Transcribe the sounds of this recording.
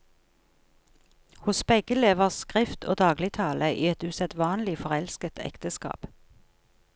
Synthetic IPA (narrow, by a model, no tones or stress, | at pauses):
hʊsbɛɡəleːʋəʁskʁɪft̪ʰo̰ːd̪ɑːɡlɪt̪ʰɑːləʔḭːɛt̪ʉsɛt̪ʋɑːnlɪfɔʁɛlskət̪ʰɛ̰kt̪əskɑ̰ːp